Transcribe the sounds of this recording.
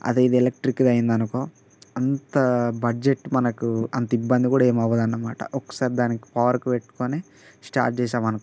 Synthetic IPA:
ɐ̰d̪eid̪iɛlek̚ʈɾikːd̪ɐjind̪ɐnukoː | ɐnt̪ɐbɐd͡ʒeʈːmɐnɐkuɐnt̪ɐibːɐnd̪ikuːɽaeːmɐʋːɐd̪ɐnːɐmaːʈɐ̰ʔɔkːɐ̥saːɾid̪aːniki̥pɐːʋɐɾkupeʈːu̥koːneː | sʈa̰ːɾʈ̚t͡ʃɛːʃaːmɐnɐku

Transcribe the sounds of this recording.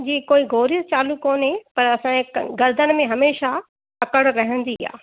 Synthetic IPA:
d͡ʑiːkoːiɡʱoːɾjət͡ɕaːlukoːnɦẽpɐɾɐsãɡɐɾd̪ən̆mẽɦɐmeːʃa | ɐkəɽɾɐɦə̃nd̪ia̰ː

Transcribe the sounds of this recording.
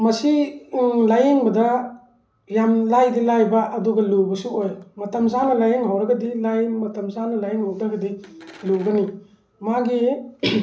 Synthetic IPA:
mɐsi | lajeŋbɐdɐ | jamlajdilajbɐʔɐduɡɐluwbɐsuojmɐtɐmsanɐlajeŋhawɾɐɡɐdilajmɐtɐmsanɐlajeŋhawdɐɡɐdiluwɡɐni | maɡi

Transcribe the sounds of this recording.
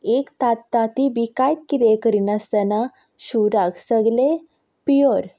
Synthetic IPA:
ekt̪at̪ːat̪ibikajt̪̚kit̪ekəɾinast̪ana | ɕuɾaɡsəɡle | pijoɾ

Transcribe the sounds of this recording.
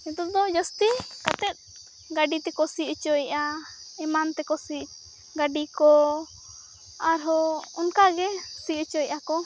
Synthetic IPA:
ɛt̪ɔd̪ɔd͡ʒɔst̪ikat̪ɛt̪̚ | ɡaɖit̪ɛkɔsit͡ʃɔjʔaɛmant̪ɛkɔsi | ɡaɖikɔ | aɾɦɔɔnkaɡɛsiut͡ʃɔjʔakɔ

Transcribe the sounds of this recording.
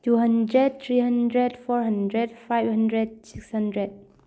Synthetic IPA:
tuɦʌ̃ndɹɛd̚t̪ʰɹihʌ̃ndɹɛdfɔɹɦʌ̃ndɹɛdfajbhə̃ndɹɛd̚sikshʌ̃ndɹɛd̚

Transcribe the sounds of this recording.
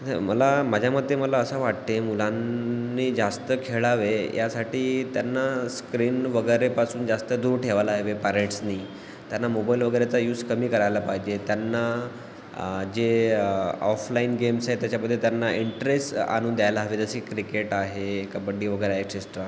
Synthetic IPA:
ə̰məlamad͡ʑʱjaməd̪ʱːjeməlaəsaʋaʈt̪emulanːiːd͡zast̪əkʰeɭaʋejasaʈiːt̪janːaskɾiːnʋəɡəjɾepasuːnd͡zast̪əd̪uːɾʈʰeʋalaːɦʋepaɾeʈsniː | t̪janːamobailʋəɡəjɾat͡sajuːskəmiːkəɾajlapaɦid͡ʑet̪janːa | d͡ʑe | ɔflainɡemsaɦet̪jat͡ɕaməd̪ʱːjet̪janːaʔiɳʈɾesʈa̰nuːnd̪jajlaːʋed͡zəsiːkɾikeʈaɦekabəɽiːʋəɡəjɾaekɕesʈɾa

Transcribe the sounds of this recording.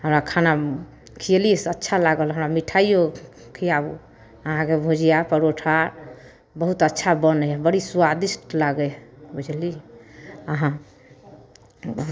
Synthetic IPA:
ɦəmɾakʰana | kʰijelisətːʃʰalaɡəlɦəmɾamiʈʰaijo | kʰijabu | əɦãkebʱod͡ʒijapəɾoʈʰaɾ | bəɦut̪ətːʃʰabənəbəɽisuwad̪isʈlaɡɛbud͡ʒli | əɦã | bəɦut̪

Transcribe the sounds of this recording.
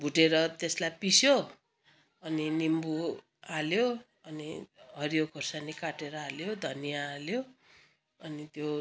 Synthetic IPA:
bʱuʈeɾʌt̪eslajpisjo | ʌninimbu | aljo | ʌniɦʌɾijokʰʌrsanikaʈeɾʌaljod̪ʱʌnijaːljo | ʌnit̪jo

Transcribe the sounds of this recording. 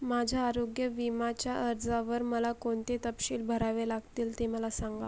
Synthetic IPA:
mad͡ʑʱaːɾoɡjəʋimat͡ɕjaʔəɾd͡zaʋəɾməlakoɳt̪et̪əpɕiːlbʱəɾaʋelaɡt̪iːlt̪eməlasãŋɡa̰

